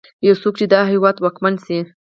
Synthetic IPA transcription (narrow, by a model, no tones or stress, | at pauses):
jawsok̚t͡ʃed̪ɑɦɪwɑd̪wɑkmansi